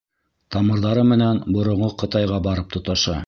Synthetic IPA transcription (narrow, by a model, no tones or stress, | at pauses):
t̪ɑmɤ̆ɾðɑɾɤmɘ̆nænbŏɾŏɴʁɤqɤ̆t̪ɑjʁɑbɑɾɤp̚t̪ŏt̪ɑʃɑ̰